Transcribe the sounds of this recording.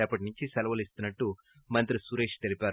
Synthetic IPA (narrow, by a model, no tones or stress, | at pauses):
ɐpːɐʈ̬inuɲt͡ʃisɛlɐʋɐlist̪unːɐʈːu | mɐnt̪ɾisuɾeːʂt̪elipʲaːɾ